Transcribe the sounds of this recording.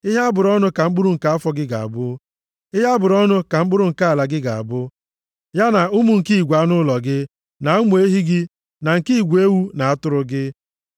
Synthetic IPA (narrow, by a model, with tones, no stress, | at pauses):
ɪ˦ɦa˦a˦bʊ˨ɾɔ˦nʊ˦ka˨ŋ͡m̩˦ɡ͡bʊ˦ɾu˨ŋ̩˨ka˦a˦fɔ˦ɡɪ˦ɡa̰˨a̰˨bʊ˦ | ɪ˦ɦa˦bʊ˨ɾɔ˦nʊ˦ka˨ŋ͡m̩˦ɡ͡bʊ˦ɾʊ˦ŋ̩˨ka˦a˨la˨ɡɪ˦ɡa˨a˨bʊ˦ | ja˦na˨ʊ˦mu˦˨ŋ̩˨ki˦i˨ɡʷa˨˦nʊ˦lɔ˨ɡɪ˦ | na˨u˦mu˨˦e˦ɦi˦ɡɪ˦ | na˨ŋ̩˨ki˦i˨ɡʷe˦wu˦na˨a˦tʊ˦ɾʊ˦ɡɪ˦